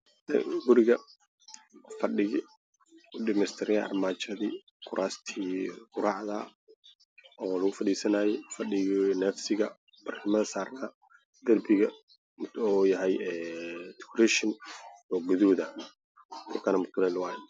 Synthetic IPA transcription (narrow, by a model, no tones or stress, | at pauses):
dɛ̰ɡʊɾɪɣɐ | fɐɗɪɣɪ | ʊɗɪmɛst̪ʰɪɾɪjɛ̰ʔɐ̰rmaːt͡ʃɐðiː | kʰʊɾʔaːst̪ʰiːɡʊɾɑʕðɐ | ɔːlɐɣʊfɐɗiːsɐnaːjɛfɐɗɪɣinɛːfsɪɣɐ | b̥ɐrkʰɐmɐðɐsaːrkʰɐ | d̪̥ɐrbɪɣɐ | mʊt̪ɔjɐɦɛjɛːt̪ʰu̥kɾɛʃɪnɔɡʊðuːðɐ | t̪ʰɔkʰɐnɐmʊt̪ʰʊlɛlɐwaːjɛ